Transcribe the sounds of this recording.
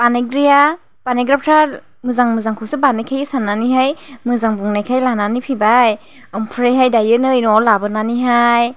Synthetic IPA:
panaɡɾija | paneɡɾap̚tʰa | mɯzaŋmɯzaŋkʰɯwsɯbanajkʰajɯsanːaniɦajmɯzaŋbuŋnajkʰajlananipʰibaj | ɔmpʰɾejɦajdajɯnɯinɔlabɯnaniɦaj

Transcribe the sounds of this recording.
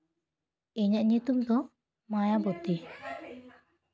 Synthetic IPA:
iɲaʔɲit̪umd̪ɔ | majabɔt̪i

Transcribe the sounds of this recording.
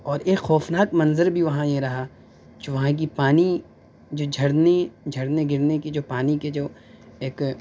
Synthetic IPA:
ɔːɾeːkxɔːfnaːkmɐnzəɾbʱiʋɐɦãjeɾɐɦa | koʋɐɦãk̬ipaːni | d͡ʒoːd͡ʒʱɐɾned͡ʒʱɐɽneɡɪɾnekid͡ʒoːpaːniked͡ʒoː | eːk

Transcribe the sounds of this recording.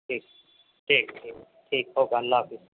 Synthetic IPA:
ʈʰiːk̚ | ʈʰiːk̚ʈʰiːk | ʈʰiːkɦoːkɡɐlːaːfɪs

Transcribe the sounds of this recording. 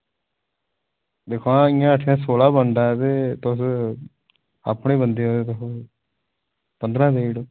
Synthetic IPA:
d̪eːkʰoãːɪːãːəʈʰːɪjãːsoːlaːbənd̪aːt̪eːt̪ʊs | a̰ːpɳeːbənd̪eːɦoːeːt̪okː | pənd̪ɾãːd̪eːiɽo

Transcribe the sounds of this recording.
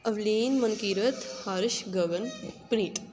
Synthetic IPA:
ɐʋliːnmɐnkiːɾɐt̪hɐɾʃɡɐʋɐnpniːʈ

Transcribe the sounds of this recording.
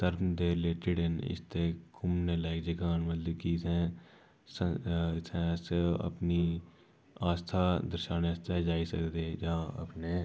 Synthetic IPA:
t̪əɾd̪eːɾleːʈɪɽənɪ̰st̪ekʊmnelaɪkd͡ʒɪkaːnmət̪ləbkisɛ̃ | səsɛ̃seə̰pni | aːst̪ʰad̪əɾʃaːnast̪ʰed͡ʒaːisə̰kd̪eːd͡ʒaɐ̰pneː

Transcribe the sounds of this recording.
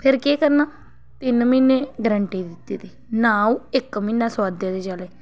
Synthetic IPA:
pʰɪɾkeːkəɾnaː | t̪ɪnminẽːɡɾəɳʈiːd̪ɪt̪ːiːt̪iːnaːũɪkmiːnːãːswaːd̪jãːd̪eːt͡ʃəleː

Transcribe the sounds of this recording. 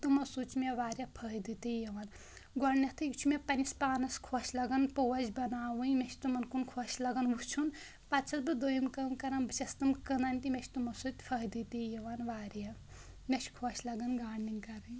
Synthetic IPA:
t̪umɐsut͡ʃmʲeʋaːɾʲjɐpʰɐɦid̪it̪ijɐʋan | ɡɔnɐt̪ʰɨjit͡ʃʰumepɐnispaːnɐskʰoːʃʰʲlɐɡɐnpoːɐzʲbɐnaːwɨjmʲet͡ʃʰt̪umɐnkunkʰot͡ʃʰlɐɡɐnʋut͡ʃʰun | pɐt͡ʃʰɐt̪bɨd̪ojimkɐmkɐɾɐnbɨt͡ʃɐst̪ɨmkɨnɐnʲt̪imʲet͡ʃʰt̪umɐsut̪ʲpʰɐɦid̪it̪ijɐʋanʋaːɾjɐ | mʲet͡ʃkʰot͡ʃʰlɐɡɐnɡaːɳːinkɐɾɨj

